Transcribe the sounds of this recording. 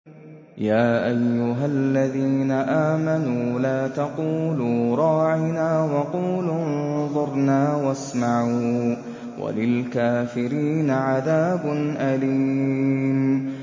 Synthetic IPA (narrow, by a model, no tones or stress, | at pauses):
jaːʔajːʊɦallːaðiːnaʔaːmanuːlaːt̪ɑquːluːɾˤɑːʕɪnaːwɑquːlunnðˤʊɾˤnaːwasmaʕuː | wa̰lɪlkaːfɪɾiːnaʕaðaːbʊnʔaliːm